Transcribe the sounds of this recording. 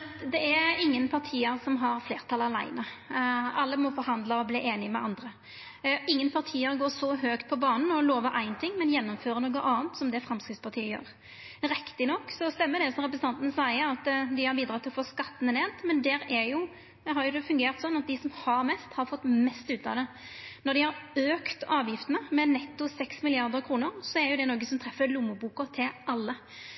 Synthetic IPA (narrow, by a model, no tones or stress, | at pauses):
d̪ɛæɾɪŋːənpʰɑʁt̪ʰiːəɾsɔmɦɑɾfleːɾt̪ʰɑlɑlæ̰ɪnə | ɑlːəmɔfɔɾɦɑnd̪ləɔbliːʔeːnɪmɛ̰ʔɑnd̪ɾə | ɪŋːənpʰɑʁt̪ʰiːəɾɡoːʂɔɦøːkt̪̚pʰɔbɑːnən̩ɔloːʋəʔæɪnt̪ʰɪŋːmɛnjɛnːɔmføːɾənoːɡəʔɑːnt̪sɔmd̪ɛfɾɛmskɾɪt̪spʰɑʁt̪ʰiːəjø̰ːɾ | ɾɪkt̪ɪnɔkːsɔst̪ɛmːəd̪ɛsɔmʁɛp̬ɾəs̩n̩ɑnt̪ənəsæɪəɾɑt̪d̪ɪhɑɾbiːd̪ɾɑːt̪ʰɪlɔfoːskɑt̪ːən̩ɛneːnt̪mɛnd̪ɛɾæjʊ | ɛɦɑɾjʊd̪ɛfʉŋɡeːɾt̪sɔnːɑt̪̚d̪ɪsɔmhɑɾmɛst̪hɑɾfɔt̪ːmɛst̪ʉːt̪ɑ̰d̪ɛ | nɔɾd̪ɪhɑɾøːkt̪ɑːʋjɪft̪ənəmɛnɛt̪ːʊsɛksmɪlɪɑʁd̪əɾkʰɾuːnəɾsɔɛɾjʊd̪ɛnoːɡəsɔmt̪ʰɾɛfːəlʊməbuːkʊt̪ʰɪlʔɑlːə